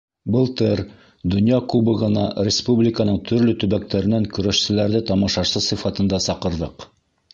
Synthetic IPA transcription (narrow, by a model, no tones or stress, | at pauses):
bɤlˠt̪ɤɾ | d̪ŏnjɑkubɤʁɤ̆nɑɾʲɪspublʲɪkənɤɴt̪ʰɵ̆ɾlɵt̪ɵ̆βæk̚t̪ʰæɾɘ̆næŋkɵ̆ɾæʃsɘ̆læɾðɘt̪ɑmɑʃɑʃsɤsɤ̆fɑt̪ɤ̆nd̪ɑsɑqɤ̆ɾðɤq